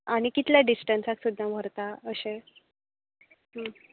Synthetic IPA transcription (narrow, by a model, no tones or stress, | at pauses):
aɽ̃ikit̪ljaɖisʈənsaksud̪ʱːaʋʱəɾt̪aəɕe | ɦə